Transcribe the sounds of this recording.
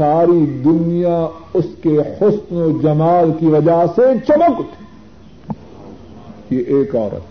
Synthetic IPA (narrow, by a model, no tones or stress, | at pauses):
aːɾid̪ʊnijaʊskehʊsnod͡ʒɐmaːlkiʋɐd͡ʒaset͡ʃɐməkt̪ʰ | jeʔeːkɔːɾə̰t̪